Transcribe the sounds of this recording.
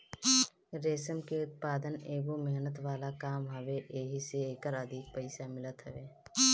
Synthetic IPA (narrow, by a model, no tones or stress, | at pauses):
ɾeːsəmkeʊt̪̚paːd̪əneːɡomɛɦnət̪ʋaːlakaːmɦɐʋeʔeːɦiseeːkəɾəd̪ʱɪk̚pəɪsamɪlət̪ɦɛʋeː